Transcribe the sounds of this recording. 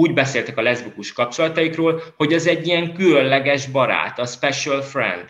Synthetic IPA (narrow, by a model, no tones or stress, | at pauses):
uːɟbɛseːlt̪ɛkɒlɛzbukuʃkɒp̚t͡ʃolɒt̪ɒjikroːlho̞ɟɛzɛɟːiɛŋkylønlɛɡɛʒbɒɾa̰ːt̪ɒspɛʃɛlfrɛ̰nd̪̥